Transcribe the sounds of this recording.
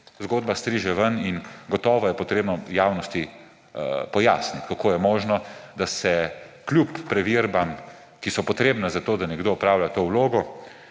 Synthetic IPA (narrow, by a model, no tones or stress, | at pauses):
zɡoːd̪bast̪ɾiʒɛʋəninɡɔt̪ɔːʋɔjɛpɔt̪ɾeːbnɔjaːwnɔst̪i | pɔja̰ːsnit̪kakʰoːjɛmoːʒnɔd̪asɛklʲupːɾɛʋiɾbam | kisɔpɔt̪ɾeːbnazat̪oːd̪anɛɡd̪oːɔpɾaːwlʲat̪oːwloːɡɔ